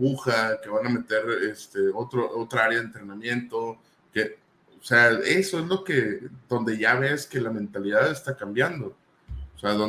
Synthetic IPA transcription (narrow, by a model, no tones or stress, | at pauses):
uxake̞βaname̞t̪e̞ɾest̪e̞o̞t̪ɾoʔot̪ɾaaɾjaðent̪ɾe̞nãmjẽ̞nt̪o̞ | ke | oseaeso̞ezlo̞ke̞ðo̞nd̪e̞ʝaβe̞ske̞lamẽ̞nt̪aliðaðest̪akambjand̪o̞ | oseaðo